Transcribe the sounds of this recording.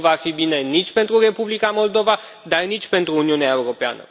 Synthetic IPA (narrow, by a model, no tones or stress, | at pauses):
vafibinenit͡ʃʲpe̞nt̪ɾure̞publikamo̞ld̪o̞va | d̪arnit͡ʃʲpe̞nt̪ɾuːniuneaeuɾo̞pea̰nə̰